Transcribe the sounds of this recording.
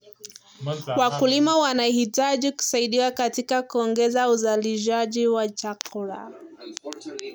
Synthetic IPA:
wakulimawanahitaʄiku̥saiɗiwakatikakuɔŋɡɛzauzaliʃ̬aʄiwat͡ʃakʰuɾa̰

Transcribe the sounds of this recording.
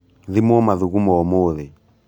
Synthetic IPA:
ðimuɔmaðuɣumɔɔmoðɛ

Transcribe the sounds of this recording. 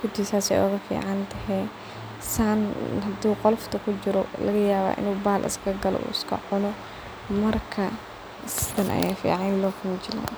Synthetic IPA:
kʊd̪isaːsɛ̰jʔɔ̰ːɣɐfḭːʕɑnt̪ʰɐɦɛ | saːnɦɐd̪uːqɔlft̪ʰɐkʰʊt͡ʃɪɾɔlɐ̰ɣɐjaːβa̰ːʔɪ̰nuːbaːlʔɪ̰skʰɐɡɐlɔ̰ʔṵːɪskʰɐ̰ħʊnɔ | mɐrkʰɐ | sɪt̪ɐnʔɐ̰jaːfḭːʕɑnlɔːfʊnt͡ʃɪla̰ː

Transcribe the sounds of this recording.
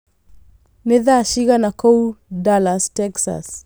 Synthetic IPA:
neðaʃiɣanakoudalastɛksa̰s

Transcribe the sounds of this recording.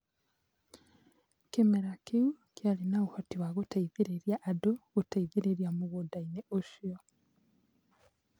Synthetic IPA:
kimeɾakiu | kjalinaɣuhotiwaɣutaiðiɾeɾjaʔːdoɣutaiðiɾeɾjamuɣudaineʔuʃio

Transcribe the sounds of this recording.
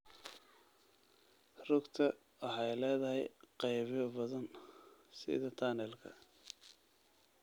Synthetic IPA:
rʊɡt̪ʰɐ | ɐħɑjlɛːðɐɦɛjqɛjβjɔbɐðɐnsɪ̰ðɐt̪ʰanɛlkʰɐ̰

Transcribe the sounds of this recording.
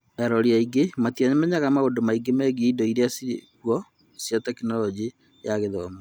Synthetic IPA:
ɛɾɔɾiaiɡematiaɲɛmɛɲaɣamaodomaiɡemɛːɡeindɔiɾeasiɾekwɔ | sjatɛkinɔɾɔd͡ʒi | jaɣeðɔma

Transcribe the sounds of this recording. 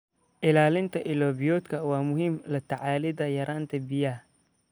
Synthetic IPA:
ʔɪlaːlɪnt̪ʰɐʔɪlɔːbɪjɔːd̪kʰɐwɑːmʊɦɪmlɐt̪ʰɐʕaːlɪðɐjɐɾʔaːnt̪ʰɐbɪjɐh

